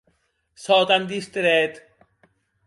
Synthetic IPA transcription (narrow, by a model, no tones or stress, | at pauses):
sɔt̪and̪ist̪ɾɛt̪